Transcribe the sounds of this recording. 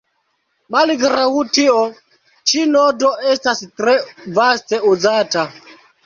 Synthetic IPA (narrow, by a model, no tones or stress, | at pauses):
maliɡɾawutiɔ | t͡ʃinɔdɔɛstastɾɛvastɛuzata